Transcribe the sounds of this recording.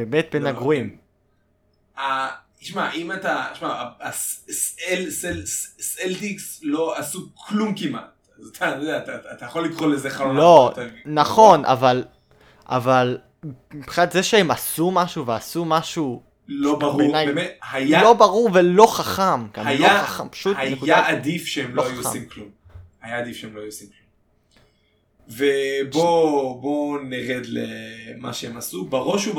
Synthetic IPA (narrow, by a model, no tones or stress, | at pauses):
bemet̚be̞naɡʁuim | a | iʃmaʔimat̪aʃmaaasselselsseltiksloasukʰlumkima̰t̚ | azat̪ʰanodeat̪aːt̪ajaχolːikʁolezeχalolotanaχo̞nʔa̰val | ʔa̰val | mipχinat̪zeʃeemasumaʃuveasumaʃu | lobauʁnajbemethajalo̞baʁuʁvelo̞χaχamka̰majaoaχampḁʃutanekudaʔad̪ifʃeemloaajua̰imklum | hajaːd̪ifʃeemlo̞ajuasimklum | vebobo̞neʁed̪lema̰ʃeemasubaʁo̞ʃub